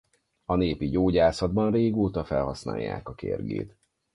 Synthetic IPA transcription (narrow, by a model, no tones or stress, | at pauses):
ɒneːpiɟoːɟaːsɒd̪bɒnreːɡoːt̪ɒfɛlhɒsna̰ːjːa̰ːkɒkḛːrɡḛːt̪